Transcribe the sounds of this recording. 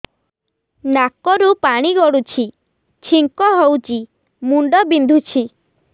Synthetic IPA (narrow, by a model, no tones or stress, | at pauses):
nakɔɾupaɽ̃iɡɔɽut͡ʃʰi | t͡ʃʰiŋkɔɦewt͡ʃi | muɳɖɔbind̪ʱut͡ʃʰi